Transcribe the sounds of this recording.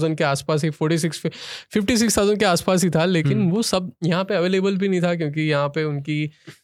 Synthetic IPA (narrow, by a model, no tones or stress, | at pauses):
zə̃nɖkeaːspaːs̬ɦifɔːɾʈis̬ɪksfɪfʈis̬ɪkst̪ʰaʊzə̃nɖkeaːspaːsɦit̪ʰaleːkɪnʋosɐb̚jɐɦãpeɐʋeːleːbəlbʱinɐɦĩt̪ʰakjõːk̬ijɐɦãpeʊnki